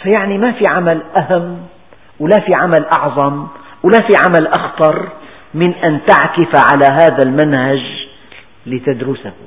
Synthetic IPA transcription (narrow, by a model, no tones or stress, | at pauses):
fajaʕnimafiʕamalʔahamː | wɪlafiʕamalʔɑʕðˤɑm | wɪlafiʕamalʔɑxt̪ˤɑɾˤ | mɪnʔant̪aʕkɪfaʕalaɦaːðalmanhad͡ʒ | lɪt̪ad̪ɾʊsah